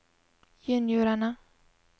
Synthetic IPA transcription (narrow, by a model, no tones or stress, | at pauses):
jənjøɾana